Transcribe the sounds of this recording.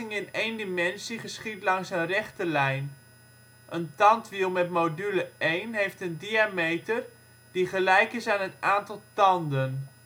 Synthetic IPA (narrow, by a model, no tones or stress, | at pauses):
ɪŋɪnejndimɛnsiχəsχitlɑŋsənrɛχtəlɛjn | ʔəntɑntʋilˠmɛtmowdyləejnɦejftəndiamejtər | d̥iχəlɛjkɪsaːnɦətaːntɑlˠtɑndən